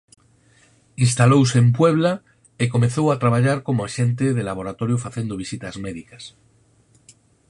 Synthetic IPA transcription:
inst̪alowsemp̬we̞βla | eko̞mẽnθo̞wat̪ɾaβ̞aʎaɾko̞moaʃẽ̞nt̪eðelaβ̞o̞ɾat̪o̞ɾjofaθje̞nd̪oβisit̪azmeðikḁs

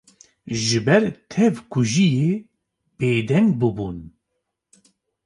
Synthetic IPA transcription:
ʒɨbɛɾt̪ʰɛvkʰuʒijeː | b̥eːd̪ɛŋɡ̚bɨbuːn

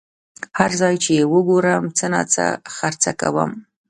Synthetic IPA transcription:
haɾzɑjt͡ʃeewəɡoɾəmt͡səna̰t͡sa̰xaɾt͡saka̰wə̰m

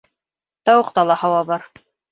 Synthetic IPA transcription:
t̪ɑwɤ̆q̚t̪ɑlˠɑhɑwɑβɑɾ

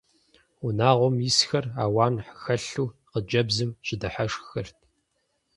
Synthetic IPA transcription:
unaːʁʷɔmjisxɐra̰ːwaːnħə̥xɐɬuːqəd͡ʒɐbzɨmɕʼɪdɐħaʂxɐrtʰ

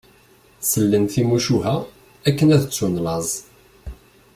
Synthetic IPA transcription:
səlːənθimuʃuɦæ | ækːənæðət͡sːunlɑzˤ

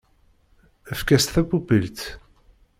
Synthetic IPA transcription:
əfkæst̪θæbubilt̪

